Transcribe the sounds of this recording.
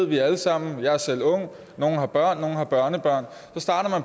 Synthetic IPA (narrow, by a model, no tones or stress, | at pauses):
ð̰ˠʋiæləsɑ̈m̰n̩jɑ̈ɪæɐsel̰ɔ̽ŋ | no̝ːn̩ɦɑ̈b̥ɶɐ̰nːo̝ːn̩hɑ̈b̥ɶɐnəb̥ɶɐ̰n | sɒ̽sd̥ɑ̈ːɾɐmænp